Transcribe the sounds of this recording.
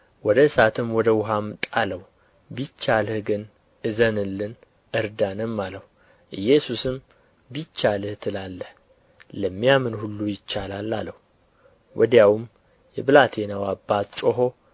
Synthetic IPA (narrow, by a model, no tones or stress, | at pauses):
wɔd̪əɨsat̪ʰɨmwɔd̪əwʊɦamt̪ʼaləw | bit͡ʃːalhɨɡɨn | ʔɨzənɨlːɨn | ʔɨɾd̪anɨmːaləhu | ʔɨjːɛsusɨm | bit͡ʃːalhɨt̪ʰɨlalːəh | ləmːijamɨnhulːujɪt͡ʃːalalːaləh | wʔɔ̰d̪jawm | jɛbɨlat̪ʰenawabːat̪t͡ʃʼoɦo̞